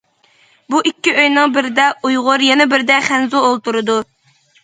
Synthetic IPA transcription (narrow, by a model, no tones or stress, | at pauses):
buʔikʲːiʔøjnɨŋbɪɾɪd̪ɛujʁʊɾjɛnɛbɪɾd̪ɛχænzuolˠt̪uɾɨd̪u